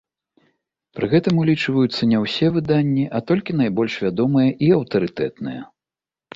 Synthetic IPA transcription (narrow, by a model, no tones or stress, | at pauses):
pɾɨɣɛt̪ɐmulʲit͡ʂvɐjut̪sːɐnʲɛwsʲɛvɨd̪anʲːiʔɐt̪ɔlʲkʲinajbɔlʲʂvʲad̪ɔmɨjɐʔiɐwt̪ɐɾɨt̪ɛ̰t̪nɨjɐ̰